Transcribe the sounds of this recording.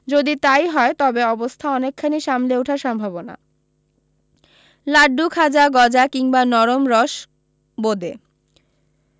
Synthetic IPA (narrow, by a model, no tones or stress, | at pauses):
d͡ʑod̪it̪ajɦɔet̪ɔbeɔbost̪ʰaɔnekʰːaniʃamleuʈʰaɾʃɔmbʱabona̰ | laɖːukʰad͡ʑaɡɔd͡ʑakiŋbanɔɾomɾɔʃ | bod̪e